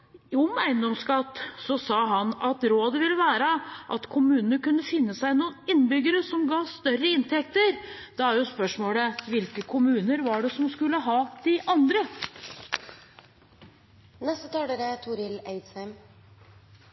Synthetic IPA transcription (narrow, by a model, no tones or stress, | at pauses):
ɔmæɪnd̪ɔmskɑt̪ːsɔsɑːɦɑnɑt̪ɾoːd̪əʋɪlːəʋæːɾəʔɑt̪kʰʊmʉːnənəɾkʉnːəfɪnːəsæɪnuːnɪnːbʏɡəɾəsɔmɡɑːst̪œɾəɪnt̪ʰɛk̚t̪əɾd̪ɛæɾjʊspœʂmoːɽəʋɪlkəkʰʊmʉːnəɾʋɑɖɛsɔmskʉlːəɦɑːd̪̥ɪʔɑnd̪ɾə | nɛst̪ət̪ʰɑːd̪eɾət̪ʰuɾɪleɪd̪shæɪm